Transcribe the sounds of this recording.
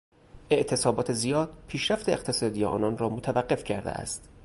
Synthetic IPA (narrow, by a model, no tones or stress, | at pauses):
e̞ʔt̪ʰe̞sɒːbɒːt̪ʰe̞zijɒːd̪̥̚pʰiːʃɾæft̪e̞eqt̪ʰe̞sɒːd̪ijeʔɒ̰ːnɒːnrɒːmot̪ʰævæɢːe̞fcʰæɾd̪ḛʔæ̰st̪